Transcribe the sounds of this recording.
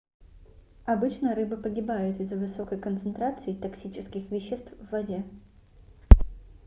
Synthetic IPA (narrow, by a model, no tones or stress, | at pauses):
ɐbɨt͡ɕnəɾɨbɨpəɡʲɪbajʊt̪ɪzːəvɨso̞kəjkənt̪sɨnt̪ɾat̪sɨɪt̪ɐksʲit͡ɕɪskʲɪxvʲɪɕːɪst̪fvːɐdʲe